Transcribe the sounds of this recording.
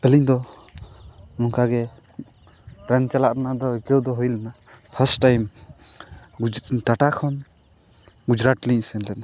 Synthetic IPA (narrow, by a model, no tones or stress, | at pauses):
əliɲd̪ɔ | nɔŋkaɡɛ | pɾɛnt͡ʃalaʔɾanad̪ɔkəwd̪ɔɦujlana | pʰəsʈajm | ʈaʈakʰɔn | ɡud͡ʒɾaʈliɲsɛnlɛna